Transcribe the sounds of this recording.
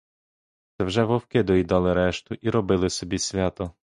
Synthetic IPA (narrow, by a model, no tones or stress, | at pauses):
t̪sɛwʒɛʋɔwkɪd̪ɔjd̪ɑlˠɪɾɛʃt̪ʊʔiɾɔbɪlˠɪsɔbʲisʲʋʲɑt̪ɔ